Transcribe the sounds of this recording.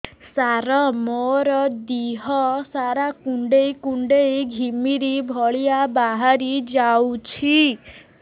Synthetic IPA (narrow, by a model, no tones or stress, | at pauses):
saɾɔmoɾɔd̪iɦɔsaɾakuɳɖejkuɳɖejɡʱimiɾibʱɔɭiabaɦaɾid͡ʒawt͡ʃʰi